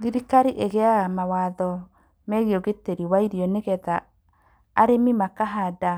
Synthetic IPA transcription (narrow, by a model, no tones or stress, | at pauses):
ðiɾikaɾiʔeɣɛaɣamawaðɔ | mɛɣeɔɣeteɾiwaiɾiɔneɣɛðaː | ɾemimakaɦada